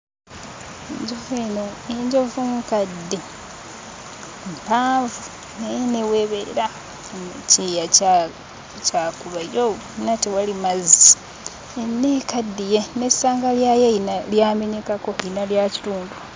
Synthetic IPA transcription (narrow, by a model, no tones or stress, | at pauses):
eɲɟovenoeɲɟo̞vumkadːe | mpaːɱvu | nejeneweβḛɾa | mceja | cakuβajo | natewalimazi | enːekadːijenesaːŋɡaljajeinaljaːme̞ɲekako̞inaljaci̥tuːndu